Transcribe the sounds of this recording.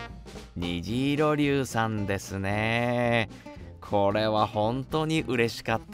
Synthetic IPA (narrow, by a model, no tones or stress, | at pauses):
ɲiʑiːɾo̞ɾʲɨːsãnd̪e̞sɨne | kʰo̞ɾe̞βahõ̞nt̪o̞ːɲ̟iʔɯ̟ɾe̞ɕi̥kat̪ː